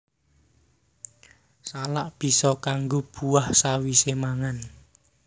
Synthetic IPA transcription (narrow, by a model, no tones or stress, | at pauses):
salaʔb̥i̤sɔkaŋɡob̥uahsawisemaŋan